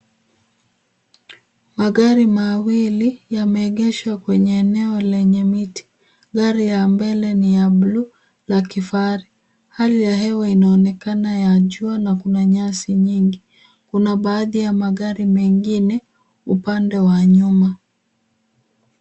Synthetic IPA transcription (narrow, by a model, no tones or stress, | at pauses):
maɠaɾimawilijamɛːɠɛʃwakwɛɲɛːnɛɔlɛɲɛmiti̥ | ɠaɾijambɛlɛnijaɓlu | lakifaɾi | halijaɦɛwainaɔnɛkanajaʄuanakunaɲasiɲiŋɡi | kunaɓaːðijamaɠaɾimɛŋɡinɛ | upandɛwaɲuma